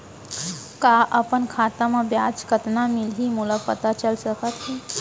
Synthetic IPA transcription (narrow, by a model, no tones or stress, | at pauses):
kaʔapəɳkʰat̪aməbjat͡skət̪namilɦiːmuləpət̪at͡ɕəlsəkat̪ɦi